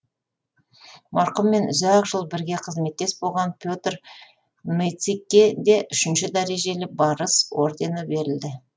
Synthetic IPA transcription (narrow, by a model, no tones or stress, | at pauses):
mɑɾqʊmːe̞nʏ̰zæqʒəlˠbɪɾɡʲe̞qʰəzme̞t̪ːe̞sbo̞lˠʁɑnpʰʲjo̞t̪r | mejt̪sikʲːed̪e̞ʔʏʃɪnʃɪd̪æɾe̞ʒe̞lɪbɑɾəswo̞ɾd̪e̞nəbe̞ɾɪld̪ɪ